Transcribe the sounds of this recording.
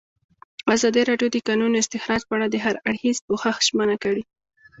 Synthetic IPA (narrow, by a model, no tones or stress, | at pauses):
azɑd̪iɾɑɖjod̪əkɑnunoɪst̪ɪxɾɑd͡ʒpəaɽad̪əɦaɾaɽxizpoxaxʒ̥mənakaɽi